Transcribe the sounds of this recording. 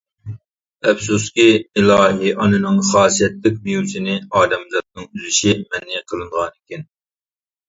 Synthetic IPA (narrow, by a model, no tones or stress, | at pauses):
ɛfsuskʲiːlˠɑːɦiʔɑnɨnɨŋχɑːsijɛt̪lɪk̚ʲmejusɪnɪɑːd̪ɛmzɑt̪̚nɨŋyzyʃɪmɛnːɪqʰəlˠɨɴʁɑnɪkʲɛn